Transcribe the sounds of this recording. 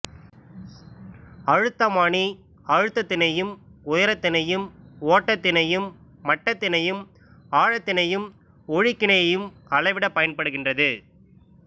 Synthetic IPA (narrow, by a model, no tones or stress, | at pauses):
ɐɻɯt̪ːɐmaːɳi | ɐɻɯt̪ːɐt̪ːɪnɐjɯmʊjɐɾɐt̪ːɪnɐjɯmoːʈːɐt̪ːɪnɐjɯmː | ɐʈːɐt̪ːɪnɐjɯm | aːɻɐt̪ːɪnɐjɯm | ɔɻɪkːɪɳɐjɐjɯmɐɭɐɪʋɪɽɐpːɐjɐnpɐɽɯɣɪndrɐðɯ